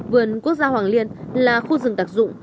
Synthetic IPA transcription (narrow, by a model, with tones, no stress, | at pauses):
vɨ˨˩ənku˦˥ək̚zaː˧hwaː˨˩ŋli˧ənlaː˨˩xu˧zɨ˨˩ŋt̪aː˦˥˩k̚zʊ̰˧˨ŋ͡m